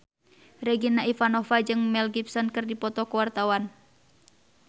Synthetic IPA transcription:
rɛɡinaifanɔfad͡ʒɨŋmɛlɡipsɔnkɨrdipɔt̪ɔkəwart̪awan

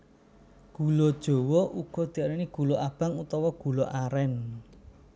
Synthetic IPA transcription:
ɡ̥ulɔd̥ʒ̥o̤wɔʔuɡ̥ɔ̤d̪̥i̤aɾiniɡ̥ṳloʔab̥aŋut̪ɔwɔɡ̥ṳloʔaɾɛn

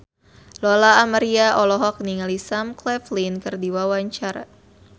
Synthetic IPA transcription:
lɔlaːmaɾiaʔɔlɔɦɔk̚niŋalisamklɛflinkɨrdiwawaɲt͡ʃaɾa̰

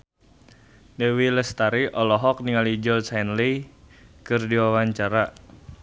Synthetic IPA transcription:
dɛwiləst̪aɾiʔɔlɔɦɔk̚niŋalid͡ʒɔsajnli | kɨrdiwawaɲt͡ʃaɾa

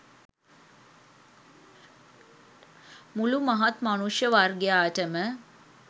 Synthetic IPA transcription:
mulumɐɦat̪manuʂjəʋarɡjaːəʈəmə

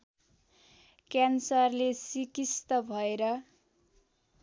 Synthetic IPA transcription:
kjansʌrlesikist̪ʌbʱʌeɾʌ

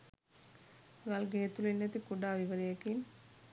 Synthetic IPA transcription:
ɡalɡeːet̪ulinːet̪ikuɖaːʋiʋəɾijekin

